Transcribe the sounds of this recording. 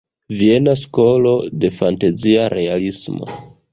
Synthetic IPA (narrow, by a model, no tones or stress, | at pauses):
vie̞nasko̞lo̞de̞fantaziaɾe̞alismo̰